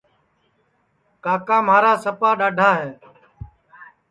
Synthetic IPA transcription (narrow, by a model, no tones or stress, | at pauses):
kaːkaːmaːɾaːsəpaːɗaːɖʱaːɦeː